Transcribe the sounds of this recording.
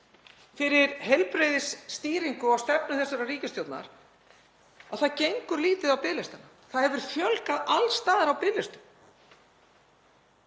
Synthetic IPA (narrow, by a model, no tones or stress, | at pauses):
fɪɾɪɾɦejlpɾejðɪsːt̪iːɾiŋkʏawst̪ɛpnʏθɛsːaɾariːcɪst̪jowt̪na̰ɾ̥ | awθaðcejŋkʏɾliːt̪ɪðawpɪːlɪst̪ana | θaðhɛvʏɾ̥fjœlkaðalst̪aːðɪɾawpɪːlɪst̪ʏ̥m